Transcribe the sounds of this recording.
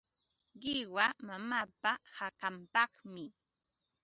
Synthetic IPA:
ɢɪwamamaːpahakampɑχmɪ

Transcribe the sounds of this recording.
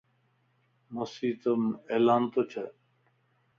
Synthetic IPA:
mɐsiːt̪əmeːlaːnt̪ot͡ɕʰe

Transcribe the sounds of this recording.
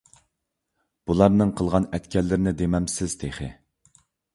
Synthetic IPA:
b̥ulˠɑɾnɨŋqʰəlˠʁɑnɛt̪kʲʰɛlːɪɾɪnɪd̪emɛmsɪz̥t̪ʰeχɪ̰

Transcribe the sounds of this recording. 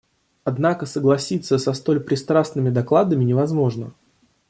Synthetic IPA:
ɐd̪nakəsəɡlˠɐsʲit̪sːəsɐst̪o̞lʲpɾʲɪst̪ɾasnɨmʲɪd̪ɐklˠad̪əmʲɪnʲɪvɐzmo̞ʐnə̰

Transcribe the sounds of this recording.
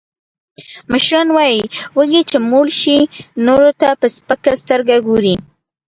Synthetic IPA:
məʃɾɑnwɑjiwəɡit͡ʃemolʃinoɾot̪apəspəkast̪əɾɡaɡoɾi

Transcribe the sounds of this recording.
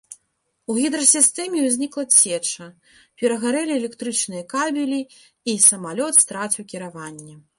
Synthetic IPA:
uɣʲid̪ɾɐsʲist̪ɛmʲɛwzʲnʲiklˠɐt͡sʲɛt͡ʂɐ | pʲɛɾɐɣaɾɛlʲiɛlʲɛkt̪ɾɨt͡ʂnɨjɐkabʲilʲi | isɐmalʲɔt̪st̪ɾat͡sʲiwkʲiɾavanʲːɛ

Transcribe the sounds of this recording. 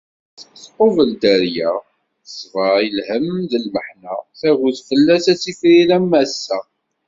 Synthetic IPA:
θθqovəld̪æɾjæ | əsvəilhəmðəlməħnæθæɣuðfəlːæsæsifɾiɾæmːæsːæ

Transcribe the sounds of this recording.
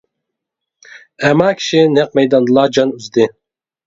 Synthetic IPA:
ɛmɑkʲʰi̥ʃinɛq̚mɛjd̪ɑnd̪ɨlˠɑd͡ʒɑnyzd̪ɪ

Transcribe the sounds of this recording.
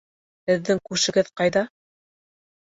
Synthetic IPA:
hɘ̆ðːɘŋkʉʃɘ̆ɡɘðqɑjðɑ

